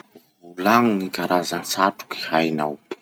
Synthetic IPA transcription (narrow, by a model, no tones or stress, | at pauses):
vulaŋŋikaɾʔazansaʈ͡ʂu̥ki̥hajna̰up